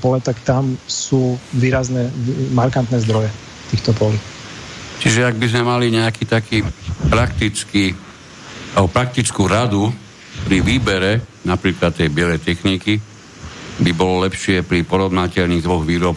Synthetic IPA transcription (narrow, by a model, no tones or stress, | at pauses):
pɔlɛt̪akt̪amsuːʋiːɾaznɛmaɾkant̪nɛzd̪ɾɔjɛ | t̪iːxt̪ɔpɔli | t͡ʃiʒɛaɡ̚bizmɛmaliɲɛakiːt̪akiːpɾakt̪it͡skiː | abɔpɾak̚t̪it͡skuːɾad̪u | pɾiʋiːbɛɾɛnapɾiːklat̪ːɛjbɪɛlɛjt̪ɛxniki | bibɔlɔlɛpʃɪɛpɾipɔɾɔʋnacɛʎniːɣd̪ʋɔɣʋiːɾɔp